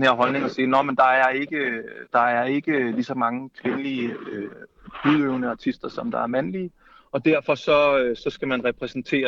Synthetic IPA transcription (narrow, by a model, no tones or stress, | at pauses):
nheɐ̰ɦɒ̽lne̝ŋɒ̽siːnɒmend̥ɑ̈æɐe̝ɡ̥əd̥ɑ̈æɐe̝ɡ̥əlisɒ̽mɑ̈ŋəkʰʋe̝nəliəø | huð̰ˠøʊnəɑ̈t͡sʰisd̥ɐsɒ̽md̥ɑ̈æɐmænliː | ɒ̽d̥æɐfɒ̽sɒ̽øsɒ̽sɡ̥æmænʁɛpʰʁɛsn̩t͡sʰe̝̰ːɐ